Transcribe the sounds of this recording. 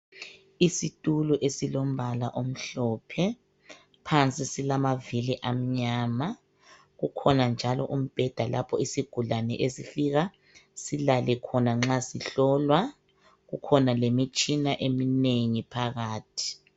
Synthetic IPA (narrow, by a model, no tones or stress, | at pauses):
isitʼuluʔesilom̩balaʔom̩ɬɔpʰɛ | pʰant͡sʼisilamaviliʔam̩ɲaːma | ɣukʰɔnand͡ʒʱalɔʔum̩b̥ʱɛd̥ʱalʔapʰɔisiɡ̥ʱulanɛ̰ʔesifiɣa | silalɛkʰɔnaŋ͡ǁasiɬɔlwa | ɣukʰɔnalemit͡ʃʼinaʔemineŋipʰaɣaːtʰi̥